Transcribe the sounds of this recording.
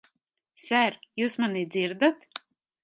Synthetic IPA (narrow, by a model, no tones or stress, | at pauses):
sæɾjuːsmanid̪ziɾd̪at̪